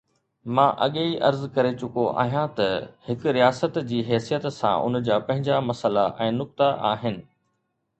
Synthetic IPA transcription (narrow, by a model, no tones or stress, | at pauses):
mãːʔɐɠeiʔɐɾzkɐɾet͡ɕʊkoʔa̰ːɦijãt̪ɐhɪkʊɾijaːsət̪d͡ʑiːɦɛːsijət̪sã̰ʔʊ̰nd͡ʑaːpɐ̃ɦɪ̃ɲd͡ʑamɐsəlaʔɛ̃ːnʊk̚t̪aʔaːɦɪnɪ̆